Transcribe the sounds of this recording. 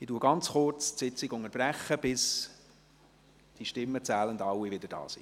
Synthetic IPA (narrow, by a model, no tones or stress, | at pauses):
ituːəɡɑnt͡sχʊrt͡stsɪt͡sɪɡʊŋəɾb̥ræχːəb̥ɪs | d̥iʃtɪmːət͡sæːləndɑwːivɪd̥əɾd̥ɑ̰ːsḭ